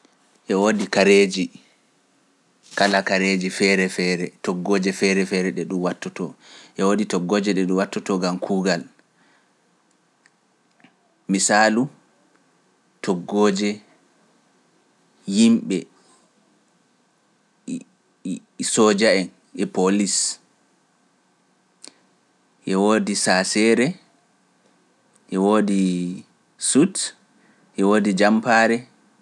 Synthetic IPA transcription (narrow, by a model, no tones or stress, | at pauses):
ʔɛwodikaɾeːd͡ʒi | kalakaɾed͡ʒifɛɾɛfɛɾɛtɔɡːoːd͡ʒɛfɛɾɛfɛɾɛɗɛɗumwatːɔtɔ̰ʔɛwoditɔɡːɔːd͡ʒɛɗɛɗuwatːɔtɔɡamkʰuːɡal | misalu | tʰɔɡːoːd͡ʒɛ | jimɓɛ | sɔd͡ʒaɛn | ʔɛpolis | ʔɛwoːdisasɛɾɛ | ʔɛwoːdi | sut | ʔɛwoːdid͡ʒampaːɾɛ